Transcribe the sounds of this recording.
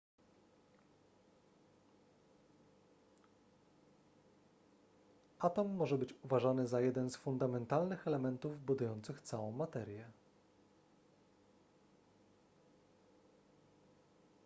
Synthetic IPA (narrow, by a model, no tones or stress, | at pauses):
at̪amːɔʐɛbɘt͡ɕuvaʐanɘzajɛd̪ɛnsfund̪amɛnt̪alnɘxɛlɛmɛnt̪uvbud̪ujɔnt̪sɘxt̪sawɔ̃w̃mat̪ɛɾʲjɛ